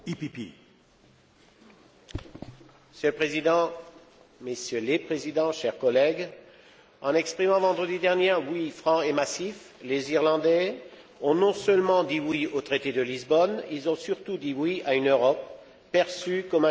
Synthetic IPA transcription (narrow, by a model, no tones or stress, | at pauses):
ipipḭ | məsjølpχezid̪ɑ̃ | mesjølepχezid̪ɑ̃ʃɛʁkɔlɛɡ | ɑ̃nɛkspχimɑ̃vɑ̃d̪ʁəd̪id̪ɛʁnjewifχɑ̃emasif | leziʁlɑ̃d̪ɛ | ɔ̃nɔ̃sœlmɑ̃d̪iwiot̪χet̪ed̪əlizbɔnilzɔ̃syʁt̪ud̪iwiaynøʁɔp̚ː | ɛʁsykɔmɛ̃